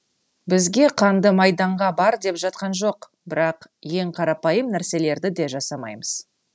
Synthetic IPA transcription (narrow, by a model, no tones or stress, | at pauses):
bɪzɡʲe̞qʰɑnd̪əmɑjd̪ɑɴʁɑbɑɾd̪e̞pʒɑt̪̚qɑnʒo̞q | bɪɾɑqje̞ŋqʰɑɾɑpɑjəmnæɾse̞le̞ɾd̪ɪd̪e̞ʒɑsɑmɑ̰jməz̥